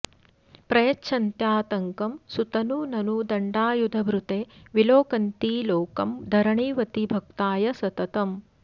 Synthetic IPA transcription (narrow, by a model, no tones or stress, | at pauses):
pɾɐjɐtːʃʰɐnt̪jaːt̪ɐŋkɐmsut̪ɐnunɐnud̪ɐɳɖaːjud̪ʱɐbɾut̪eːʋiloːkɐnt̪iːloːkɐmd̪ʱɐɾɐɳiːʋɐt̪ibʱɐk̚t̪aːjɐsɐt̪ɐt̪ɐm